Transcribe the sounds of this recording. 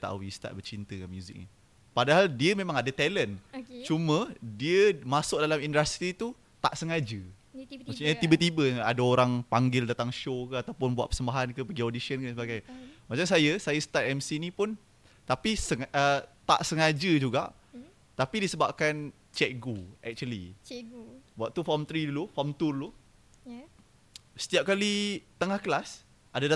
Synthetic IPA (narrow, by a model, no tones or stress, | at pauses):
t̪a̰wist̪a̰t̪̚bət͡ʃint̪əkamjuzɪ̰k̚nḭ | padaɦaldiəmẽmãŋadat̪ɛlənt͡ʃumə̃diəmasʊk̚dalamindəst̪ɾit̪u | t̪a̰ʔsəŋad͡ʒə | masuɲət̪ibət̪ibəadaoɾaŋpaŋɡɪldat̪aŋʃokəat̪awpʊnbua̰ʔ̪pə̥səmbaɦankəpəɡiodisiənkənsəbaɡajmat͡ʃams̬ajəsajəst̪ar̚ɛmsinĩpʊn | t̪apisəŋət̪a̰ʔsəŋad͡ʒəd͡ʒuɡaʔ | t̪apidisəbap̚kan | t͡ʃɛk̚ɡuɛ̰k̚t͡ʃuəlḭ | buaʔt̪ufɔmt̪ɾidulufɔmt̪ullu | sə̥t̪iap̚kalit̪əŋahkəlas | ʔadada